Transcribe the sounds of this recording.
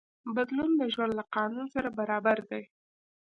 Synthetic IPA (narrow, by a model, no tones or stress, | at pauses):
bad̪lunləʒwand̪laqɑnunsaɾabaɾɑbaɾd̪aj